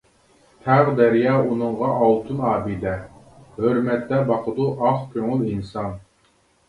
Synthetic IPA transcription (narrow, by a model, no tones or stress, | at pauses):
t̪ʰæʁd̪ɛɾjɑːunɨɴʁɑʔɑlˠt̪ʰunɑːbid̪ɛ | høɾmɛt̪ːɛbɑqʰəd̪uʔɑχkʲʰøŋylinsɑn